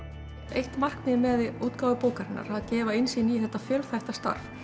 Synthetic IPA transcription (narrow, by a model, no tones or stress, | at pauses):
ejht̪mar̥kmɪmɛðɪuːt̪kaːwvɪpoːwkaɾɪnːa̰ɾ̥aðcɛːvaɪnsiːniθɛht̪ːafjœlθɛjht̪ast̪a̰ɾ̥f